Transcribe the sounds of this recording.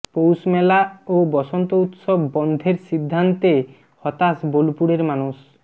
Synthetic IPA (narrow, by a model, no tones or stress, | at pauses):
powsmɛlaobɔsɔnt̪out̪sɔbːɔnd̪ʱeɾsid̪ʱːant̪e | hɔt̪asbolupuɽeɾmanus